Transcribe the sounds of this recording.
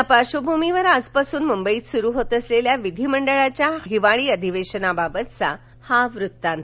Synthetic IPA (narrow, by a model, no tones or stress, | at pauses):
apaɕobʱumiʋəɾad͡zpasuːnmumbəiːt̪suɾuːɦot̪əsleljaʋid̪ʱiːməɳɖəɭat͡ɕjaɦiʋaɭiːəd̪ʱiʋeɕənababət̪t͡sa̰ | haʋɾut̪ːãnt̪